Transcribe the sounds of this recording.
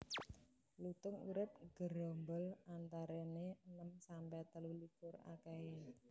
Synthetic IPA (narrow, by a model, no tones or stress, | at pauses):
lut̪ʊŋuɾɪp̚ɡ̥əɾɔmbəlant̪aɾeneənəmsampɛt̪əlulikʊra̰kɛe